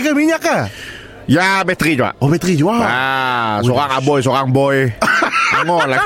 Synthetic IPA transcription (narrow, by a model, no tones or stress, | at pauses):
kamiɲakːa | jabɛt̪ɾid͡ʒua̰obɛt̪ɾid͡ʒuaa | soɾaŋabɔjs̬oɾaŋbɔj | aŋɔla